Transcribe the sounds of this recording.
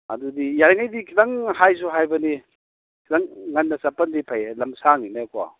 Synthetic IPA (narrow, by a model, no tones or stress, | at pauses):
ɐ̰dudijaɾiŋajdikʰidaŋhajs̬uɦajbɐni | kʰidaŋːanːɐsapɐndipʰajlɐmsaŋinakwa̰